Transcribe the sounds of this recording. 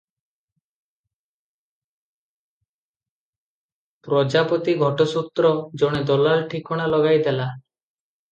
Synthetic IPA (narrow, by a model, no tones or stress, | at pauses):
pɾɔd͡ʒapɔt̪iɡʱɔʈɔsut̪ɾɔd͡ʒɔɽ̃ed̪ɔlalʈʰikɔɽ̃alɔɡajd̪ela